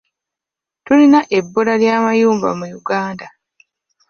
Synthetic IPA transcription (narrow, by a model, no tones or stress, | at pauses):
tulinaʔe̞bːolaljaːmajuːmba̰mujuɡaːnda